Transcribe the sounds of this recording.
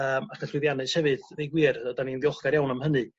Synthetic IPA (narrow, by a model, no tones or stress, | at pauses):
əːmakʰəɬwɪðjanɨshɛvɨðvejɡwɨːrɔdaninðjɔχɡ̥aɾjawnamhənɨ